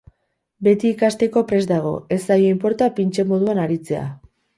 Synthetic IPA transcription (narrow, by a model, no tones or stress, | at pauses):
be̞t̪iːkast̪e̞ko̞pɾe̞zd̪aɣ̞o̞̰e̞sajoimpo̞ɾt̪apint͡ʃe̞mo̞ð̞uanaɾit͡se̞a̰